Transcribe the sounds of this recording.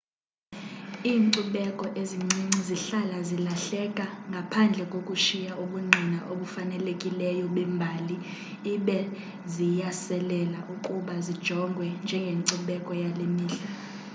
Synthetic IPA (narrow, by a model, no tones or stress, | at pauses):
iːŋǀuɓɛkʼɔʔeziŋ͡ǀiŋ͡ǀiziɬalazilaɬɛkʼaŋɡʱapʰand͡ɮʱɛkʼokʼuʃijaʔoɓuŋ͡ǀinaʔoɓufanɛlekʼilɛjɔɓɛmbʱaːliː | ɓɛ | zijasɛlɛlaʔukʼuɓazid̥ʒ̥ʱɔŋɡʱwɛnd͡ʒʱɛŋɡʱeŋǀuɓɛkʼɔjalemiːɬa